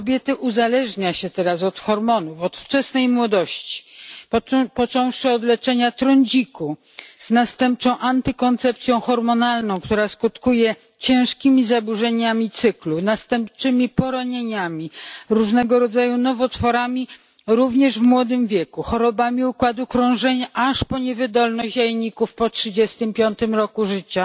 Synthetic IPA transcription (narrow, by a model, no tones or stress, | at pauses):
kɔbʲjɛt̪ɘʔuzalɛʐɲaɕɛt̪ɛɾasɔt̪xɔɾmɔnufɔt̪ft͡ʂɛsnɛjmwɔd̪ɔɕt͡ɕi̥ | pɔt͡ʂɔ̃w̃ʂɘɔd̪lɛt͡ʂɛɲat̪ɾɔɲd͡ʑiku | z̥nast̪ɛmp̚t͡ʂɔ̃w̃ʔant̪ɘkɔnt̪sɛp̚t̪sʲjɔ̃w̃xɔɾmɔnalnɔ̃w̃kt̪uɾaskut̪kujɛ | t͡ɕɛ̃ʂkʲimʲizabuʐɛɲamʲit̪sɘklunast̪ɛmpt͡ʂɘmʲipɔɾaɲeɲamʲiɾuʐnɛɡɔɾɔd̪zajunɔvɔt̪fɔɾamʲi | ɾuvɲɛʐvmwɔd̪ɘmvʲjɛkuxɔɾɔbamʲiukwad̪ukɾɔ̃w̃ʐɛɲaʔaʂpɔɲɛvɘd̪ɔlnɔɕʑajɛɲikufpɔtʂɘd͡ʑɛst̪ɘmpʲjɔnt̪ɘmɾɔkuʐɘt͡ɕa